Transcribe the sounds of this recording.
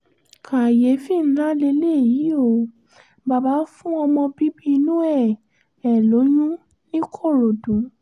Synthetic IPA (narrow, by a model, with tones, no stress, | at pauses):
kʰa˨je˨˦fi˦˨n̩˦la˦le˧le˦˨ji˨˦o˦˨ | ba˨ba˨˦fũ˦ɔ˧mɔ̃˧bi˦bi˦˧nũ˦ɛ˦˨ | ɛ˨lo˨˦jũ˦ | nĩ˦kʰo˦˨ɾo˨dũ˨˦